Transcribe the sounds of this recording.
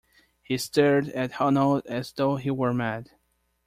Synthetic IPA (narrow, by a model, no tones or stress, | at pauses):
histɛɹɾɨt̚hɑnolˠdɨzðoʊɦiwə˞mæd̥